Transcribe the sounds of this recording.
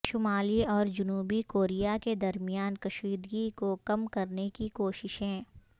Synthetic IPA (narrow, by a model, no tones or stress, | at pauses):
ʃʊmaːliɔːɾd͡ʒʊnuːbikoːɾijaked̪ɐɾmijaːnkɐʃiːd̪ɡikokɐmkɐɾnekikoːʃɪʃɦɛ̃ː